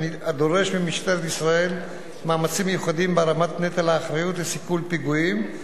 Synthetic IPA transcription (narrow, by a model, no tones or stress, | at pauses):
niad̪o̞ʁe̞ʃmimiʃt̪eɾet̪isʁae̞l | maːmat͡simejuχad̪imbeɾamat̪net̪alaːχɾajut̪lesikulpiɡuim